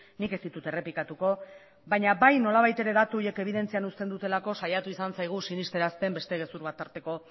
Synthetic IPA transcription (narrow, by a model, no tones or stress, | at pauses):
nike̞st̪it̪ut̪e̞re̞pikat̪uko̞ | βaɲaβajno̞laβajt̪e̞ɾe̞ðat̪uoje̞ke̞β̞iðe̞nt͡sianust̪e̞nd̪ut̪e̞lako̞sajat̪uisansajɣ̞usinist̪e̞ɾast̪e̞mbe̞st̪e̞ɣe̞suɾβat̪ːaɾt̪e̞ko̞